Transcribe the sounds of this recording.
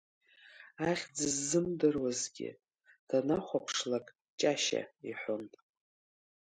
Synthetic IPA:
aχʲd͡zɨzːɨmdɨrwazɡʲɪ̰ | d̥anaχʷapʰʂlakʼ | t͡ʃʼaʃa̰iħʷʊntʼ

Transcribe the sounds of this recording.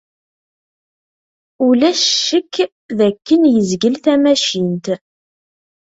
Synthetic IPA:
ulæʃːəkː | ðækːənjəzɡəlθæmæʃint̪

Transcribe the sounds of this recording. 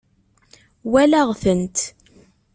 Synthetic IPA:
wælæʁθənt̪

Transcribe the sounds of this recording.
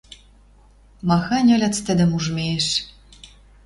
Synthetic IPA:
mɑxɑnʲɘ̆lʲɑ̆t͡st̪ɘ̆d̪ɘ̆muʒmʲeeʃ

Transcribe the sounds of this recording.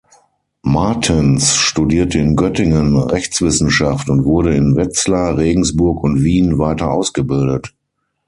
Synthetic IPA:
maɐtʰɪnsʃtudiːɐtəɪnɡœtɪŋənʁɛçt͡sv̥ɪsn̩ʃaftʊntv̥ʊɐɾəɪnvɛt͡slaʁeːɡŋ̩sb̥ʊɐkʊntv̥iːnvaɪtɐʔaʊsɡ̥əbɪldət

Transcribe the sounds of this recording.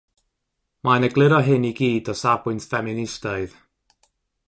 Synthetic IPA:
manəɡlˠɪɾɔɦɨniɡiːdɔsabʊntfɛmɪnɪstaɨð

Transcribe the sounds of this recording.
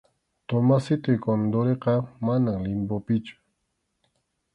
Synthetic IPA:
t̪omasɪt̪ʊjkond̪oɾeqɑmanaŋlɪmpopɪt͡ʃʊ̥

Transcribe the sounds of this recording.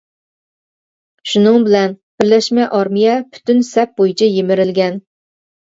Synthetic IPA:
ʃunɨŋbɪlɛnb̥ɪɾlɛʃmɛʔɑɾmijɛpʰy̥t̪ʰynsɛp̚bojit͡ʃʰɛjemɪɾɪlɡʲɛn

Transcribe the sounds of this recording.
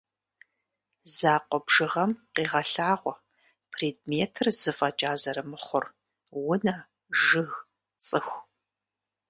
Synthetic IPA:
zaːqʷɔbʒɨʁɐmqiːʁɐɬaːʁʷɔ | pʰriːd̚meːtʰɨrz̥ɨfʼɐt͡ʃʼaːzɐɾɨmɨχʷʊr | wʊnɐ | ʒɨɣ | t͡sʼɨxʷ

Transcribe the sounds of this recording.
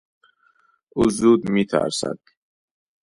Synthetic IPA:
uzuːd̪mit̪ʰa̰ɾsa̰d̪̥

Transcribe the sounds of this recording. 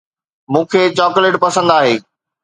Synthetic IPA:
mũːkʰeːt͡ɕɔːkleːʈpɐsə̃nd̪aːɦeː

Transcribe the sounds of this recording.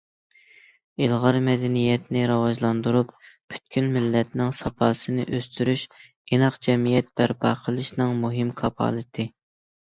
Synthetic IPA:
ilˠʁɑɾmɛd̪ɛnijɛt̪nɪɾɑwɑʒlˠɑnd̪uɾuppʰy̥t̪̚kʲʰynmɪlːɛt̪̚nɪŋsɑpʰɑːsɨnɪ̰ʔøst̪yɾyʃ | enɑqd͡ʒɛmijɛt̪̚b̥æɾbɑ̰qʰəlˠɨʃnɨŋmuɦɪmkʰɑpʰɑ̰ːlˠɨt̪ʰɪ

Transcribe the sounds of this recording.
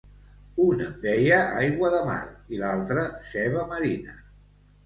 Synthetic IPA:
unəbɛjəajɣwəðəma̰ɾilalˠt̪ɾəsɛβəməɾinə

